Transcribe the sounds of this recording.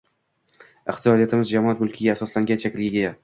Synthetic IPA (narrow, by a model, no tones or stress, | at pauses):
ɪχt̪ʰijɒd̪ijat̪ɪmɪzd͡ʒamɒat̪mʊlˠkʲʰɪɡʲaːsɒslaŋɡʲant͡ʃʰakʲɪlɡʲɪɡʲa